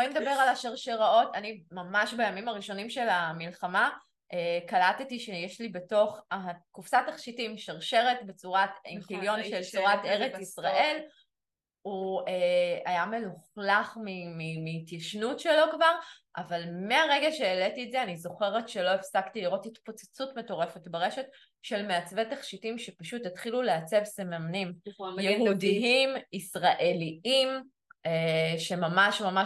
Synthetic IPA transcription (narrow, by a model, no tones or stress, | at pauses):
oned̪abe̞ʁalaʃeʁʃeʁao̞tanimamaʃbajamimaʁiʃo̞nimʃe̞lamilχama | ʔekalatetiʃejeʃlibe̞to̞χakufsataχʃitiimʃeʁʃeʁetbe̞t͡suʁatimkiljo̞nʃelt͡suʁat̪eʁet͡sisʁaʔe̞l | ueajame̞luχlaχmimimiːtjaʃnutʃelo̞kvaʁ | ʔavalmeaʁe̞ɡaʃeːletietzeanizo̞χe̞ʁetʃe̞lo̞efsaktiliʁo̞titpo̞t͡se̥t͡sutmeto̞ʁe̞fe̞tbeʁe̞ʃe̞t | ʃe̞lmeat͡svetaχʃitimʃepaʃutitχiluleat͡se̞vsemamnimjudiimisʁaʔe̞liim | eʃe̞mamaʃmama